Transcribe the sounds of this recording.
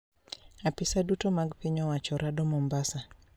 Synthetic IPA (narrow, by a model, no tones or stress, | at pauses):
apisadutɔmaɡpiɲɔwat͡ʃɔɾadɔmɔmbasa